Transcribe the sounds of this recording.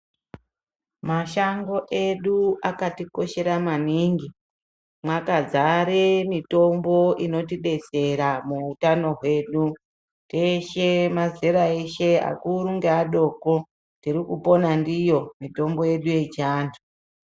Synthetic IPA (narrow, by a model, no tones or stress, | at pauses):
maʃaŋɡo̞ʔe̞ɗuakatiko̞ʃe̞ɾamaniːŋɡi | mwakazaɾemito̞mbo̞ʔino̞tiɗe̞t͡se̞ɾamuːtano̞ɦwe̞ɗu | teʃemazeɾaeʃe̞a̰kuɾuŋɡeaɗo̞ko̞ | tiɾikupo̞nandijo̞mito̞mbo̞je̞ɗuje̞t͡ʃaːntʰu